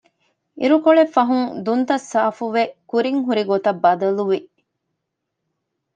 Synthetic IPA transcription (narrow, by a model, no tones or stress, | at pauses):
iɾukoɭefːɐɦuŋd̪unt̪ɐsːaːfuʋekuɾiŋɦuɾiɡot̪ɐbːɐd̪ɐluʋi